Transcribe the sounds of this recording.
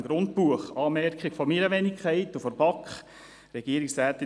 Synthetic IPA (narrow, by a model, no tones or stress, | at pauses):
ɡɾʊnt̚puəχɑːmɛɾkχiɡ̥fɔmeːɾɑʋɛnikʰχɛɪtufɔɾbɑkχ | ɾɛɡ̥iəɾiksɾæːt̪ːɪ